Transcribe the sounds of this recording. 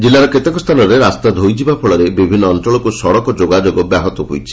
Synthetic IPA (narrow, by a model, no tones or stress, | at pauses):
d͡ʒilːaɾɔket̪ekɔst̪ʰanɔɾeɾast̪ad̪ʱojd͡ʒibapʰɔɭɔɾebibʱinːɔːnt̪ɾɔɭɔkusɔɽɔkɔd͡ʒoɡad͡ʒoɡɔbjaɦɔt̪ɔɦojt͡ʃʰi̥